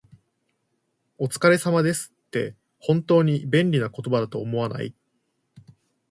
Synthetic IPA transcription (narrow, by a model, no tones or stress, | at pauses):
o̞t͡sɨ̥kaɾe̞samad̪e̞sɨ̥t̪ːe̞̰ | hõ̞nt̪o̞ːɲ̟ibẽ̞nɾʲinako̞t̪o̞bad̪at̪o̞ːmo̞βana̰ḭ